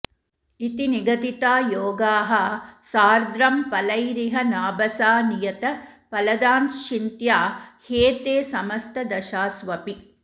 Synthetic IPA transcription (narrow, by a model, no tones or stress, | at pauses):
it̪iniɡɐt̪it̪aːjoːɡaːɦɐsaːɾd̪ɾɐmpɐlɐjɾiɦɐnaːbɐsaːnijɐt̪ɐpɐlɐd̪aːnʃint̪jaːheːt̪eːsɐmɐst̪ʰɐd̪ɐʃaːsʋɐpi